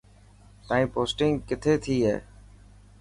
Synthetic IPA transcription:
t̪ãːĩːpoːsʈɪ̃ŋɡkɪt̪ʰeːt̪ʰiːɦḛː

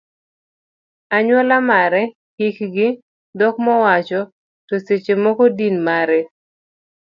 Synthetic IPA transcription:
aɲwɔlamaɾɛ | hikɡɪ | dɔkmɔwat͡ʃɔ | tɔset͡ʃemɔkodinmaɾɛ

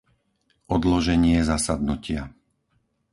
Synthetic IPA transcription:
ʔɔd̪lɔʒɛɲɪɛzasad̪nucɪa

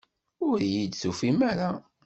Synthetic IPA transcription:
ʊɾjid̪sufimæɾa

